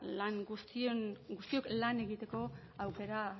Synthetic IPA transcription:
laŋɡust̪ionɡust̪io̞klane̞ɣit̪e̞ko̞ | awke̞ɾa

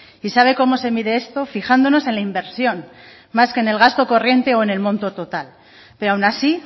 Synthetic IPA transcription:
isaβ̞e̞ko̞mo̞se̞miðe̞est̪o̞fixand̪o̞no̞se̞nlaimbe̞ɾsjo̞n | maske̞ːne̞lɣ̞ast̪oko̞rje̞nt̪e̞o̞ene̞lmõ̞nt̪o̞t̪o̞t̪al | peɾoawnasi

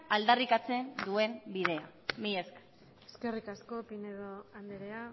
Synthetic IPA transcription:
ald̪arikat͡se̞nd̪ue̞mbið̞e̞amiesk | eske̞rikasko̞pineðoand̪eɾea

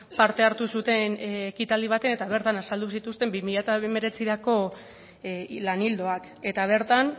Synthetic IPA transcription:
paɾt̪e̞aɾt̪usut̪e̞nekit̪ald̪iβ̞at̪e̞ne̞t̪aβ̞e̞ɾt̪anasald̪usit̪ust̪e̞mbimiʎat̪aeme̞ɾe̞t͡siɾako̞ | lanild̪o̞ak | e̞t̪aβ̞e̞ɾt̪an

